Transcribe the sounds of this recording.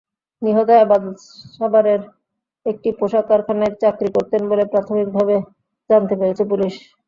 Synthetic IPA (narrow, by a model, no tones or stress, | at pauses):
niɦot̪oebad̪ | ʃabaɾeɾ | ek̚ʈipoʃakaɾkʰaneɾt͡ɕakɾikoɾt̪enbolepɾat̪ʰomik̚bʱabe | d͡ʑant̪epeɾet͡ɕʰepuliʃ